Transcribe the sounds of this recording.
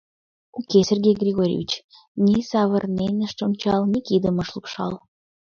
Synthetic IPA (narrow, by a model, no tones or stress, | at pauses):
ukesʲerɡʲejɡrʲiɣoɾʲḭvʲḭt͡ɕ | nisɑβərnenʲəʃt̪onʲt͡ɕɑlnʲikid̪əməʃlˠukʃɑ̰lˠ